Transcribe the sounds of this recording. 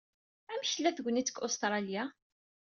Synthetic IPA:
æmçəlːæθɡʷənit͡sːə̥kost̪ɾˤɑlja

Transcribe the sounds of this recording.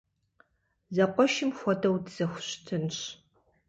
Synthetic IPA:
zɐqʷɔʃɪmxʷɔdʰɐwdz̥ɐxʷʊɕtʰɨnɕ

